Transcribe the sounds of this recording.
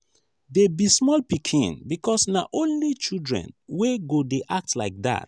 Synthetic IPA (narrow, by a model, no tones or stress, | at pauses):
debismɔlpikʰḭ̃nbikɔsnaʔõnlit͡ʃildɹɛ̰̃nweɡodeʔak̚tlaɪk̚da̰t̚